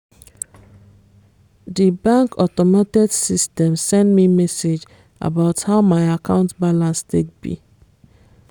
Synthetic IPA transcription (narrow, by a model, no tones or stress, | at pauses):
dibãŋkɔtɔmatiksistɛmsɛ̃ndmimɛsed͡ʒ | a̰baʊthaʊmaɪakãʊ̃ntbalãnstek̚bḭ